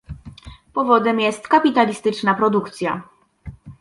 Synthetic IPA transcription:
pɔvɔd̪ɛmjɛst̪kapʲit̪alʲist̪ɘt͡ʂnapɾɔd̪ukt̪sʲja

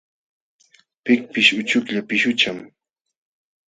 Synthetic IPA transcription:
pɪk̚pɪʃʊt͡ʃʊkʎapɪʃʊt͡ʃam

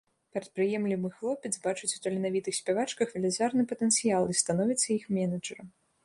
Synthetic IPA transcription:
pʲɛɾɐt̪̚pɾɨjɛmlʲimɨxlˠɔpʲɛd̪zbat͡ʂut͡sʲu̥t̪ɐlʲinavʲit̪ɨxsʲpʲɛvat͡ʂkɐxvʲɛlʲazʲarnɨpɐt̪ɛnt̪sɨjalˠist̪anɔvʲit̪sːɐixmʲɛnɐd͡ʐɐɾɐm

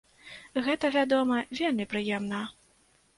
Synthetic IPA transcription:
ɣɛt̪ɐvʲad̪ɔmɐvʲelʲmʲipɾɨjɛmnɐ

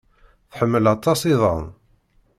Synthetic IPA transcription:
θħəmːəlɑt̪ˤːɑsiðˤə̰n

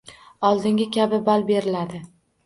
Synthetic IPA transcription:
ɒlˠd̪ɪŋɡʲɪkʲabɪbalbe̞ɾɪlad̪ɪ

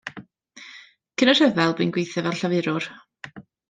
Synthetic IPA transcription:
kʰənɔr̥ɛvɛlˠbɪnɡwejθɛvɛlˠɬavɪɾʊr

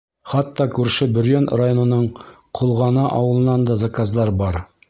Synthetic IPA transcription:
χɑt̪ːɑkʉɾʃɘbɵ̆ɾjønrajonɤ̆nɤɴ | qʰulˠʁɑnɑʔɑ̰wɤ̆lˠɤ̆nɑnd̪ɑzakazd̪ɑɾbɑɾ

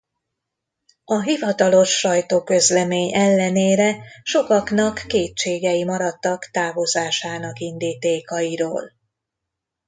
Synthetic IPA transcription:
ɒɦivɒt̪ɒlo̞ʃːɒjt̪oːkø̞zlɛmeːɲɛlːɛneːɾɛʃo̞kɒknɒkːeːtt͡ʃeːɡɛjimɒɾɒt̪ːɒkt̪aːvo̞zaːʃaːnɒkind̪iːt̪eːkɒjiɾo̰ːl

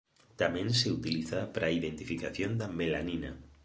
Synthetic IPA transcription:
t̪amɛ̃nseut̪iliθapɾaːiðent̪ifikaθjond̪amelanina

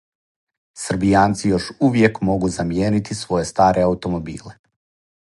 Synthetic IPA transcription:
sr̩bijaːnt̪sijo̞ʃuʋje̞kmo̞ɡuzamjeːnit̪isʋo̞je̞st̪aːɾʔe̞aut̪o̞mo̞bḭːle

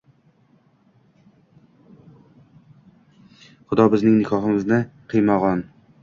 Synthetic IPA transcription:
χʊd̪ɒbɪznɪŋnɪkʰɒɦɪmɪznɪqʰɨjmɒʁɒn

